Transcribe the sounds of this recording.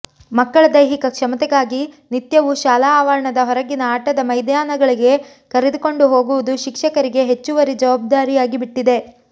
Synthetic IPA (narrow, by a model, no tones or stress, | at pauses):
mɐkːɐɭɐd̪ɐjɦikɐkʂɐmɐt̪ɛɡaːɡi | nit̪jɐʋuʃaːlaːʋɐɾɐɳɐd̪ɐɦɔɾɐɡinɐaːʈɐd̪ɐmɐjd̪jaːnɐɡɐɭiɡe̞ | kɐɾed̪uko̞ɳɖuɦo̞ːɡuʋud̪uʃikʂɐkɐɾiɡe̞ɦet͡ʃːuʋɐɾid͡ʒɐʋaːb̚d̪aːɾijaːɡibiʈːid̪e̞